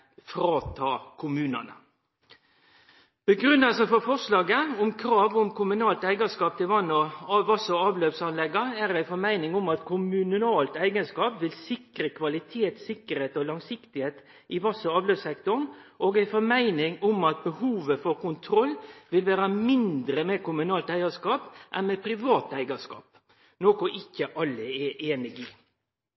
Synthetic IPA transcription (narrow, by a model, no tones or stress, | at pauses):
fɾɑːt̪ʰɑːkʰʊmʉːnə̰nə̰ | b̥əɡɾʉnːəlsəfɔfɔʁʂlɑːɡəʊmkʰɾɑːʋʊmkʰʊmʉnɑːlt̪æɪɡəskɑːp̚t̪ʰɪlʋɑnːɔʋɑsəɑːʋløːʋsɑnlɛɡːɑæɾæɪfɔɾmæɪnɪŋʊmɑt̪kʰʊmʉnnɑːlt̪æɪɡənskɑːpʋɪlsɪkɾəkʰʋɑlɪt̪ʰeːt̪sɪkːəɾheːt̪ɔlɑŋsɪkt̪ɪheːt̪ | ʔɪʋɑsəɑːʋløːsɛkt̪ʊɳʔoːɡæɪfɔɾmæɪnɪŋʊmɑt̪̚bəhuːʋəfɔɾkʊnt̪ʰɾɔlːʋɪlʋæːɾəmɪnd̪ɾəmɛkʊmʉnɑːlt̪æɪɑʂkɑːpʔɛnmɛpʰɾɪʋɑːt̪æɪɡɑʂkɑ̰ːp | noːkʊʔɪkːəʔɑlːəeːnɪɡɪ